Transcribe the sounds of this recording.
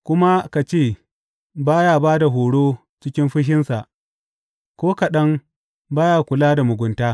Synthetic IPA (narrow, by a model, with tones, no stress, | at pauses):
kʷʊ˦ma˦ka˨t͡ʃeː˦˨ | baː˦jaː˦baː˦da˨ɦoː˨ɽoː˦ | t͡ʃɪ˦kʲɪ˦mɸɪ˦ɦɪ˦nsa˨ʔ | kʷoː˦ka˨ɗɐ˦ŋ | baː˦ja˨kʷʊ˨laː˦da˨mʊ˨ɡʷʊ˨ntaː˦